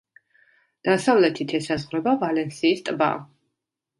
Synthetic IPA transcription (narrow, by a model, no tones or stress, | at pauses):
d̪̥asavlɛt̪ʰit̪ʰɛsazʁɾɛbavalɛnsiːst̪ʼba̰